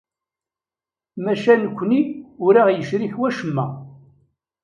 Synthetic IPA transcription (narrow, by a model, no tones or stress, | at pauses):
mæʃænəkʷːniʊɾaʁjəʃɾiħwæʃəmːæ̰